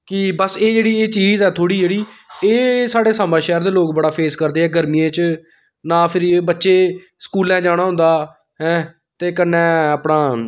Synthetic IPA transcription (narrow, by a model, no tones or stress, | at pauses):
kɪbəseːd͡ʒeːɽiːeːt͡ʃiːzɛːt̪ʰoːɽiːd͡ʒeːɽiːeːsaːɽeːsaːmãːʃɛːɛɾd̪eːloːkbəɽaːpʰeːskəɾd̪eːɦɛːɡəɾmiːẽːt͡ʃ | nãːpʰɪɾbətːʃeː | skuːlɛ̃ːd͡ʒaːɽ̃aːɦʊ̃nd̪aː | ɦɛ̃ː | t̪eːkənːɛ̃ːəːpɽaː